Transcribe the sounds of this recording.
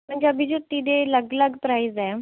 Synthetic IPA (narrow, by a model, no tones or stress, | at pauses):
m̤əɳd͡zeəbʱid͡ʑut̪ːid̪eləɡləɡpɾajzaj